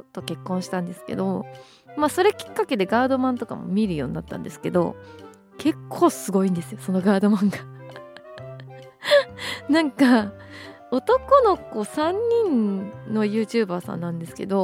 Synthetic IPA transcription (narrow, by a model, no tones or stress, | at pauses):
ot̪ːo̞ke̞kːõɰ̃ɕi̥t̪ãnd̪e̞sɨ̥ke̞̰d̪o̞ | maso̞ɾe̞kʲi̥kːake̞d̪e̞ɡaːd̪o̞mãnt̪o̞ka̰mo̞̰mʲiɾɯ̟jo̞ːɲ̟ina̰t̪ːã̰nd̪e̞sɨ̥ke̞d̪o̞̰ | kʰe̞kʰːo̞ːsɨɡo̞ĩnd̪e̞sɨjo̞so̞no̞ɡaːd̪o̞mãŋɡa | nãŋka | o̞t̪o̞ko̞no̞ko̞ːsãɲ̟ːĩnnːo̞jɯ̟ːt͡ɕɨːbaːsã̰nːãnd̪e̞sɨ̥ke̞̰d̪o̞